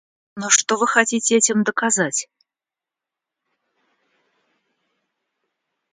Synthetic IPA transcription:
noʂt̪ovɨxɐtʲitʲɪɛtʲɪmd̪əkazatʲ

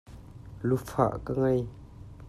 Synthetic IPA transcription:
lufa̰ʔkaŋaj

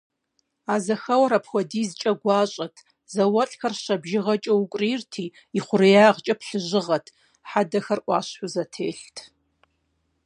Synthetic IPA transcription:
aːzɐxɐwɐɾɐpxʷɔdiːzt͡ʃʼɐɡʷɑːɕʼɐtʰ | zɐwɐɬʼxɐrʃɐbʒɪʁɐt͡ʃʼɐwukʷʼriːrtʰiː | iχʷʊrijaːʁt͡ʃʼɐpʰɬɨʑɨʁɐtʰ | ħadɐxɐrʔʷʼɑ̰ːɕħʷʊzɐtʰḛːɬtʰ

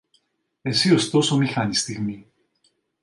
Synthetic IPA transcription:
esiost̪osomixanist̪iɣmi

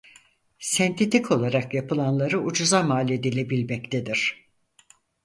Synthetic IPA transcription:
sɛnt̪ʰet̪ikʰo̞lˠaɾakjapɯlˠanlˠaɾɯud͡ʒuzamaːlʲe̞d̪ilʲe̞bilʲmɛct̪ʰed̪iɾ̥

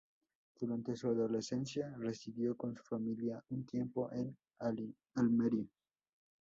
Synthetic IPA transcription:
d̪̥uɾant̪e̞suaðolesensjaresiðjokonsu̥familjaunt̪jempoʔen | a | almeɾjo

